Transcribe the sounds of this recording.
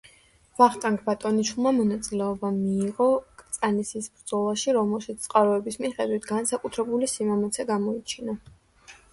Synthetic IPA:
vaχt̪ʼaŋkʰʼbat̪ʼɔniʃulˠmamɔnat̪sʼilɛɔbamiːʁɔkʼt̪sʼanisisbɾd̪z̥ɔlˠaʃiɾɔmɛlˠʃit̪st̪sʼqʼaɾɔɛbismiχɛd̪wit̪ʰɡansakʼut̪ʰɾɛbulisimamɔt̪sʰɛɡamɔit͡ʃʰina

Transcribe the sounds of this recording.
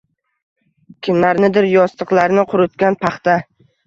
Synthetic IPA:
kʲʰɪmlaɾnɪd̪ɪɾjɒst̪ʰɨqlˠaɾnɪqʰʊɾʊt̪kʲanpʰaχt̪a

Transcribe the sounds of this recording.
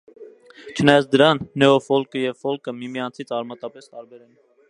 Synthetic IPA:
t͡ʃʰənɑjɑt͡sʰd̪əɾɑnːɛɔfɔlkəjɛvfɔlkʰəmimijɑnt͡sʰit͡sʰɑɾmɑt̪ɑpɛst̪ɑɾbɛɾɛn

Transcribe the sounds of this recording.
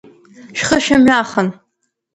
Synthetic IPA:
ʃχəʃɐmɥaːχən

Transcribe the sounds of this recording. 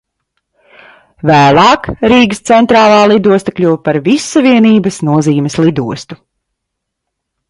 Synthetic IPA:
væːlˠɑːkɾiːɡst̪sɛnt̪ɾaːlˠɑːlˠid̪uɔst̪ɐklʲuwpaɾvisːaviɛniːbɐsnuɔziːmɛslˠid̪uɔst̪u

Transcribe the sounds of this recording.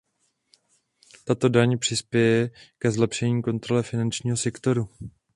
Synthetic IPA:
t̪at̪o̞daɲpr̝̥ɪspjɛjɛkɛzlɛpʃɛɲiːko̞nt̪ɾo̞lɛfɪnant͡ʃɲiːɦo̞sɛkt̪o̞ɾu

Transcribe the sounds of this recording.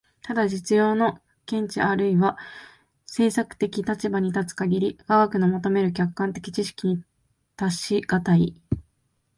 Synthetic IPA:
t̪ad̪aʑit͡sɨjo̞ːno̞ | kẽ̞ɲ̟t͡ɕiaɾɯ̟iβa | se̞ːsakɯ̟̥t̪e̞kʲit̪at͡ɕibaɲ̟it̪at͡sɨ̥kaɡʲiɾʲiɡ̥aɡakɯ̟no̞mo̞t̪o̞me̞ɾɯ̟k̬ʲakːãnt̪e̞kʲi̥t͡ɕiɕi̥kʲiɲ̟i | t̪aɕiɡ̥at̪ai

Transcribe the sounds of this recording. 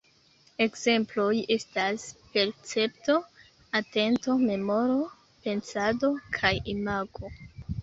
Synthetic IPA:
e̞kze̞mplo̞je̞staspe̞ɾt͡se̞pto̞ | ate̞nto̞me̞mo̞ɾo̞ | pe̞nsadokʰajimaɡo̞

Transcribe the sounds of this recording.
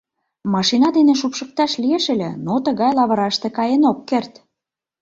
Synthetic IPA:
mɑʃinɑd̪eneʃ̬upʃə̆k̚t̪ɑʃlieʃĕlʲĕnot̪əɣɑjlɑβə̆ɾɑʃt̪ĕkɑjenokːert̪

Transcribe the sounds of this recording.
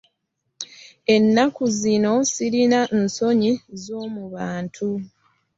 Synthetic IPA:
e̞nːakuzino̞siɾinanso̞ɲizo̞ːmuβaːntʰu

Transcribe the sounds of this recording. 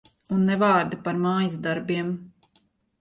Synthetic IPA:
unːɛvɑːɾd̪apaɾmaːjisd̪aɾbiɛm

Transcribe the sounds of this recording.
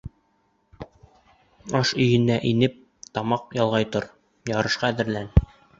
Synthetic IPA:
ɒʃɵ̆jɘ̆nːæʔinɘp̚ | t̪ɒmɑqjɒlˠʁɑjt̪oɾ | jɑɾɤ̆ʃqɑðɘ̆ɾlæn

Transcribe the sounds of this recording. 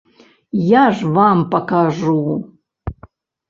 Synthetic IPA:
jaʐvampɐkaʐu

